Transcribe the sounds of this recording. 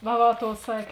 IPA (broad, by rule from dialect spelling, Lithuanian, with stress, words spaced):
ʋɐ ˈʋɐ ˈtoːʊ ˈsɑːkʲeː